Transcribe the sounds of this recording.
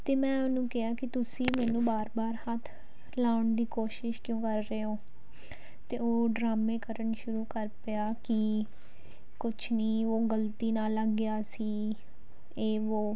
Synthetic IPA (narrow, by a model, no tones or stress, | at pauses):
t̪eːmɛ̃ːʊnũːkeɦaːkɪt̪ʊsĩːmɛːnũːbaːɾbaːɾhət̪ʰ | laːʊɳd̪iːkoːʃɪʃkjõːkəɾːeːɦoː | t̪eːoːɖɾaːmẽːkəɾəɳʃʊɾuːkəɾpɪaːkɪ | kʊt͡ʃʰniːoːɡəlt̪iːnaːləɡːɪjaːsiː | eːʋoː